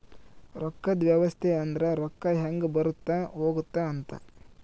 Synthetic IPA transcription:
ɾɔkːɐd̪ʋjɐʋɐst̪ʰeɐnd̪ɾɐɾɔkːɐɦɐŋɡebɐɾut̪ːɐɦoːɡut̪ːɐːnt̪ɐ̰

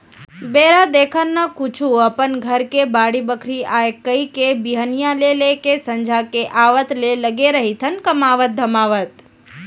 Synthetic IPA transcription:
beɾad̪ekʰənːakut͡ʃʰuəpənɡʱəɾkebaɽibəkʰɾiaekəikebiɦənijalelekesəɲd͡ʒʱakeʔaʋət̪leləɡeɾəɦit̪ʰənkəmaʋət̪̚d̪ʱəmaʋət̪̚

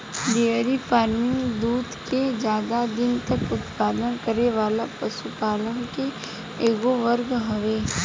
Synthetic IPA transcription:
ɖeəɾipʰaːɾmɪ̃ŋɡd̪uːd̪ked͡ʒjaːd̪ad̪ɪnt̪ɐkʊt̪paːd̪ənkəɾeʋaːlapəʃupaːlənke | eːɡoʋəɾɡɦɐʋeː

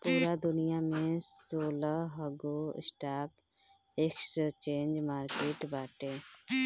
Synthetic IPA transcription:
puːɾad̪ʊnɪjamẽsoːlaɦəɡoɪ̰sʈaːk | ekst͡ʃẽːɲd͡ʒmaːɾkeːʈbaːʈeː

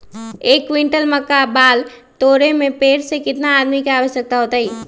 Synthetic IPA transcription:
ekʋiɳʈəlməkːabal | t̪oɾemepeɾsẽkɪt̪naːd̪mikeaʋəʃjək̚t̪aɦot̪əj

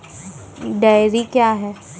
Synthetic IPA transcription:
ɖaːjɾikjaːɦɛː

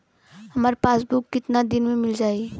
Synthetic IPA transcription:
ɦəməɾpasbukːɪt̪nad̪inmemild͡ʒaj

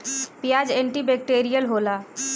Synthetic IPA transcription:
pijaːd͡ʒẽɳʈibeːk̚ʈeːɾijəlɦoːlaː

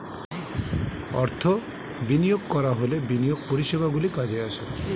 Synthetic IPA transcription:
ɔ̰ɾt̪ʰɔ | binijoɡ̚kɔɾaɦolebinijoɡ̚poɾiʃebʱaɡulikad͡ʒease

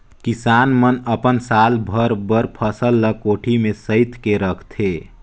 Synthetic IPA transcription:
kisaːnmənəpənsalbʱəɾbəɾpʰəsəlːəkoːʈʰimesəɪt̪keɾəkʰt̪ʰe

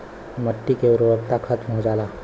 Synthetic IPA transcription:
məʈːikeʊɾoʋəkt̪axʰət̪mɦod͡ʒaːlaː

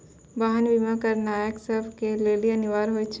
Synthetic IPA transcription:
baːɦənbimakəɾnaːjəksəbʱkeleːliɐnɪʋaːɾɦoːjt͡ʃʰ

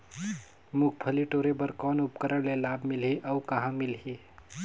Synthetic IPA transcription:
muk̚ʰpʰəliʈoɾebəɾkɔnupkəɾəɽlelabmilɦiʔəukəɦãmilɦi

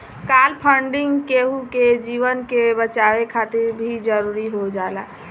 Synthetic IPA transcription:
kalpʰəɳɖɪŋɡkeɦuked͡ʒiʋənkebət͡ʃawekʰat̪iɾbʱid͡ʒəɾuɾiɦod͡ʒala

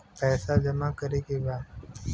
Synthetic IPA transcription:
pɛːsad͡ʒɐmakəɾekebaːd̪

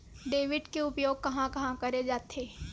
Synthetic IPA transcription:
ɖeːʋɪɖkeʊpjoːɡ̚kɐɦãkɐɦãkɐɾed͡ʒaːt̪ʰeː

